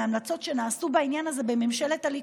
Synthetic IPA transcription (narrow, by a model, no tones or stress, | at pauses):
amlat͡so̞tʃenaːsubainjanaze̞bememʃelet̪ali